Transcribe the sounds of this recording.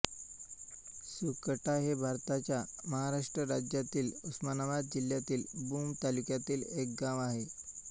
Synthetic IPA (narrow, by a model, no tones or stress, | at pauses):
sukəʈaɦebʱaɾt̪at͡ɕjaməɦaɾaʂʈɾəɾad͡ʑjat̪iːlusmanaʋad̪̚d͡ʑil̤jat̪iːlbumt̪alukjat̪iːlek̚ɡãʋaɦe